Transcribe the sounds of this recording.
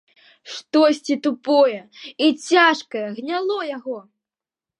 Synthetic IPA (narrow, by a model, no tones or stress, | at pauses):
ʂt̪ɔsʲt͡sʲit̪upɔjɛit͡sʲaʂkɐjɐɣnʲalˠɔjaɣɔ